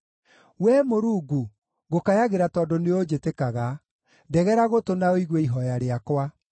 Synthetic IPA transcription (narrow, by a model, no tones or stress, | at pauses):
wɛmoɾuːɡu | ɣokajaɣeɾatɔːdoneod͡ʒetekaɣa | dɛɣɛɾaɣotonaoiɣweiɦɔjaɾeakwa